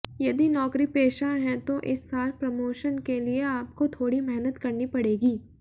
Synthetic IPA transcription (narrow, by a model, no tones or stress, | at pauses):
jɐd̪inɔːkɾipeːʃaɦɛ̃t̪oʔɪsːaːlpɾɐmoːʃənkelieaːp̚kot̪ʰoːɽimɛɦnət̪kɐɾnipɐɽeːɡiː